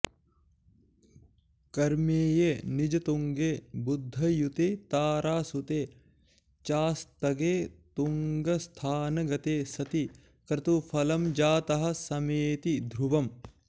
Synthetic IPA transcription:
kɐɾmeːjenid͡ʒɐt̪uŋɡeːbud̪ʱːɐjut̪eːt̪aːɾaːsut̪eː | t͡ʃaːst̪ɐɡeːt̪uŋɡɐst̪ʰaːnɐɡɐt̪eːsɐt̪i | kɾɐt̪ufʰɐlɐmd͡ʒaːt̪ɐɦɐ̆sɐmeːt̪id̪ʱɾuʋɐm

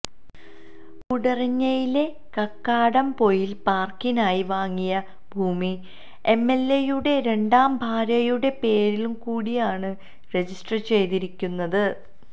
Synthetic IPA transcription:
kuɽɐrɐɲːɐjile̞ | kɐkːaːɽɐmpo̞jilpaːrkinaːjiʋaːŋːijɐ | bʱuːmi | e̞mːe̞lːejuɽe̞ɾe̞ɳɖaːmbʱaːɾɐjuɽe̞pe̞ːɾilumkuːɽijaːɳɨ | re̞d͡ʑisʈrɐt͡ɕe̞jt̪iɾikʲːunːɐðɨ

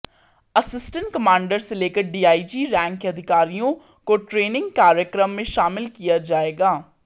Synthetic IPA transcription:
əsɪsʈə̃ɳʈkəmãːɳɖəɾseleːkəɾɖiːaːid͡ʒiːɾɛ̃ːŋkɐd̪ʱɪkaːɾijõ | koʈɾeːnɪ̃ŋɡkaːɾjəkɾəmːẽʃaːmɪlkijad͡ʒaːeːɡaː

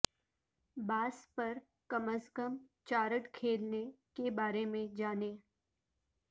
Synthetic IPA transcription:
baːspɐɾ | kəməskəmt͡ʃaːɾəʈkʰeːlne | kebaːɾemẽd͡ʒaːne

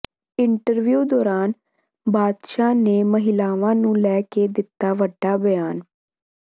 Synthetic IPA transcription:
ɪɳʈəɾʋjuːd̪ɔːɾaːn | baːd̪ʃaːneːməɦɪlaːʋãːnũːlɛːkeːd̪ɪt̪ːaːʋəɖːaːbəjaːn

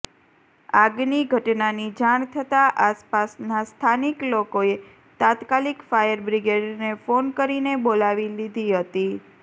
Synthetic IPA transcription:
aɡniɡʱəʈnanid͡ʒaɳ̃t̪ʰət̪aʔaspasnast̪ʰaniklokoe | t̪ãt̪kalikfajəɾbɾiɡeɖnefonkəɾinebolaʋilid̪ʱiɦət̪i

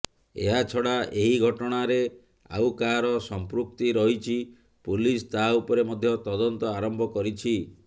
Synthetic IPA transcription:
eɦat͡ʃʰɔɽaʔeɦiɡʱɔʈɔɽ̃aɾe | a̰wkaɾɔsɔmpɾuk̚t̪iɾɔɦit͡ʃʰi | pulist̪aupɔɾemɔd̪ʱjɔt̪ɔd̪ɔnt̪ɔaɾɔmbʱɔkɔɾit͡ʃʰi

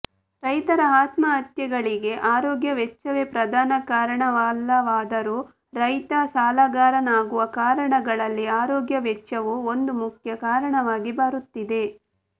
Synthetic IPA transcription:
ɾɐjt̪ɐɾɐaːt̪mɐɦɐt̪jɐɡɐɭiɡe̞ʔaːɾɔːɡjɐʋɛt͡ʃːɐʋepɾɐd̪ʱaːnɐkaːɾɐɳɐʋaːlːɐʋaːd̪ɐɾu | ɾɐjt̪ɐsaːlɐɡaːɾɐnaːɡuʋɐkaːɾɐɳɐɡɐɭɐlːiaːɾɔːɡjɐʋɛt͡ʃːɐʋuond̪umukʰjɐkaːɾɐɳɐʋaːɡibaɾut̪ːid̪e̞

